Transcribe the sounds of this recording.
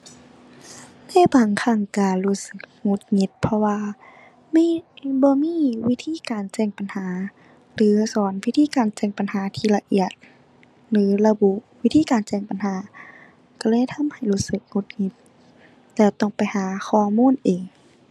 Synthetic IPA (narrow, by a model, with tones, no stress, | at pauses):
na˧˥˨baː˨˩ŋkʰa˧˩ŋkaː˨˩lu˧˩sɯ˧k̚ŋo˧˥t̪̚ŋi˧˥t̪̚pʰɔ˧waː˧ | miː˧˥˨bɔː˧˦miː˧˥˨wi˦˧˥t̪ʰiː˧˥˨kaː˨˩nt͡ɕɛː˧˩ŋpa˨nhaː˨˦ | lɯː˨˦sɔː˨˦nwi˧˥t̪ʰiː˧˥˨kaː˨˩nt͡ɕɛː˧˩ŋpa˨nhaː˨˦t̪ʰiː˧˨la˧ʔi˧˩ət̪̚ | lɯː˨˦la˧bu˧wi˦˥t̪ʰiː˧˨kaː˨nt͡ɕɛː˧˩ŋpa˨nhaː˨˦ | ka˧˩lɤː˧˥˨jt̪ʰa˧˥˨mha˨˩jluː˧˥t̪̚sɯ˧˦k̚ŋo˧˥t̪̚ŋi˧˥t̪̚ | lɛː˧˩wt̪ɔ˧˩ŋpa˨˩jhaː˨˦xʰɔː˧˩muː˧˥˨nʔeː˨˩ŋ